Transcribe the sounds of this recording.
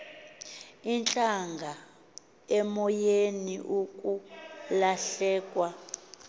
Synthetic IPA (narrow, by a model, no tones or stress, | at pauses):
int͡ɬʼaŋɡʱa | ɛmɔjeniʔukʼulaɬɛːkʼwa